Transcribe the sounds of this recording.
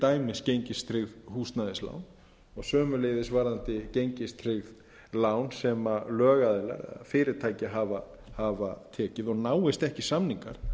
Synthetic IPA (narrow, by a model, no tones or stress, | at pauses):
t̪aːjmɪscejɲcɪst̪ʰɾɪɣðhuːst̪naðɪsla̰ːwn | ɔɣsœːmʏlejðɪsvaːɾðant̪ɪcejɲcɪst̪ʰɾɪɣð | laːwnsɛmalœːɣaðɪla̰ɾɛ̰ða̰fɪːɾɪɾ̥t̪ʰaːjcɪaɦava | havat̪ʰɛːcɪðɔɣnaːwɪst̪ɛhcɪsamniŋka̰ɾ̥